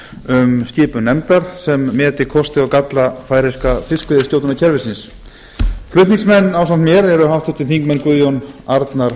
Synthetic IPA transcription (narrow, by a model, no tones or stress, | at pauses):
ʏmscɪːpʏnɛmt̪aɾ̥sɛmːɛːt̪ɪkʰɔst̪ɪɔkat̪lafaːjɾɪskafɪskʏðɪt̪jowt̪nacʰɛɾvɪsɪns | flʏht̪niksmɛnːaːwsant̪mjɛɾɛɾʏɦawht̪ʏ̥t̪ʰɪlθiŋkmɛnkvʏðjownaɾt̪naɾ̥